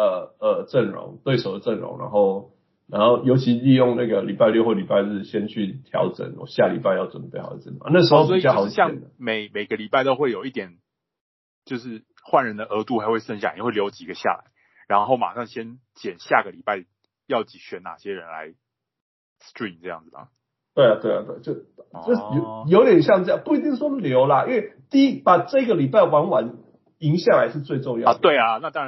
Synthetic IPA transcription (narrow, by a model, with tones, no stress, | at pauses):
ə˩ə˨˩ʈ͡ʂə˥˩nɻʊ̰˧˥˦ŋt̪we˥˩ɪʂo˨˩ʊd̪ə˩ʈ͡ʂə˥˩nɻʊ̰˧˥ŋɻa̰˧˦nxo˥˩ʊ | na˧˦nxo˥˩ʊjo˧ʊt͡ɕʰi˧˥li˥˧jʊ˥˧ŋna˥˩ɡə˩li˨˩pa˥˧ɪlɥy˥˧xwo˥˩li˨˩pa˥˧ɪʂ̩˥˩ɕjɛ˦nt͡ɕʰy˥˩t̪ʰjɑ̰˧˥ʊʈ͡ʂə̰˨˩˦nɔ̰˨˩˦ɕja˥˩li˨˩pa˥˧ɪjɑ˥˩ʈ͡ʂwə˨˩npe˥˩xʊd̪ə˦t͡sə˥˩˨a˥˦na˥˩ʂ̬ɻ̩˧˥xo˥ʊswi˥i˨t͡ɕjxɕjɑ˥˨ŋə˦me˨˩ɪme˨˩ɪɡə˧˦li˨˩pa˥˩ɪt̪o˥ʊxwe˥˩ɪjo˨˩ʊi˥˩t̪jɛ˨˩n | t͡ɕjo˥˧ʊʂɻ̩˥˩ | xwa˥˩nɻə˧˥nd̪ə˧ʔə˧˥t̪u˥˩xa˧˥xwe˥˧ɪʂə˥˧ŋɕ̬ja˥˨˥xwe˥˩ljo˧˥ʊt͡ɕi˨˩ɡə˦ɕja̰˥˩la̰˧˦ɪ | ɻa˧˦nxo˥˩ʊma̰˨˩ʂɑ˥˩ŋɕjɛ˦˥nt͡ɕjɛ˨˩nɕja˥˩ɡə˩li˨˩pa˥˩ɪ | jɑ˥˩ʊt͡ɕi˨˥ɕɥɛ˨˥na̰˨˩ɕjɛ˦ɻə˧˦nla̰˧˦ɪ | stɹi˥˩nʈ͡ʂɤ˥˧jɑ̰˥˩ŋd͡zɹ̩˨˩mə̰˨˩ | t̪we˥˩ɪa˨t̪we˥˩ɪa̰˨˩t̪we˥˩ɪt͡ɕjo˥˧ʊt͡ɕo˥˧˨jo˨˦jo˧˦ʊt̪jɛ˨˩nɕjɑ˥˧ŋt͡sə˥˩jɑ˥˨˩pu˥˩i˧t̪i˥˩ŋswɔ˦ljo˧˥ʊla˨i˥nwe˥˩ɪt̪i˥˧i˦˥pa˨˩ʈ͡ʂɤ˥˧i˥ɡə˨li˨˩pa˥˩ɪwa˧˥nwa˨˦n | i˧˥ŋɕja˥˩la˧˦ɪʂɻ̩˥˧t͡swe˥˧ɪʈ͡ʂo˥˧ŋjɑ̰˥˨˧t̪we˥˩ɪa˩na˥˧t̪ɑ˥a˧